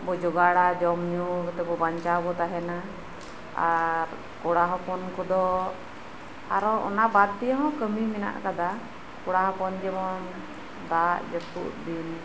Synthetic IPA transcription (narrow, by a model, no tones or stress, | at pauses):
bɔd͡ʒɔɡaɽad͡ʒɔmɲukɔt̪ɛbɔbaɲt͡ʃabɔt̪aɦɛna | a̰ɾ | kɔɽaɦɔpɔnkɔd̪ɔ | aɾɔɔ̰nabad̪̚t̪ijɔɦɔ̃kəmimɛna̰ʔkad̪a | kɔɽaɦɔpɔnd͡ʒɛmɔn | d̪aʔd͡ʒɔt̪ṵʔb̪in